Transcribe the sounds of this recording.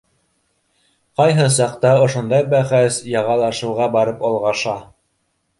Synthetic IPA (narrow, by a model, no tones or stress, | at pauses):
qɑjɦɤsɑqt̪ɑŏʃŏnd̪ɑjbæχæsjɑʁɑlˠɑʃɤ̆wʁɑbɑɾɤpɑlˠʁɑʃɑ